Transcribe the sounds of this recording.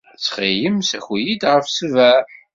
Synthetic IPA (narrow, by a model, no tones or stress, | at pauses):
t͡sːχijəmsæçjid̪ʁəfsəvæɾ